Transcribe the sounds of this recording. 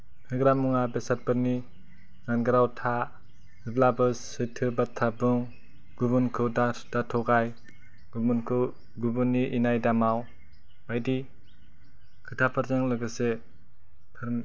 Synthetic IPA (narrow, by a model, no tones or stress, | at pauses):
nʰɯɡɾamuŋabesat̚pɯɾni | zanɡɾawtʰa | ɯblabɯs | ɯjtʰɯbatʰːabuŋ | ɡubunkʰɯwdad̥atʰɔɡaj | nkʰɯ | ɡubunːiʔinajdamaw | bajdi | kʰɯtʰapʰaɾzaŋlɯɡɯse | pʰaɾ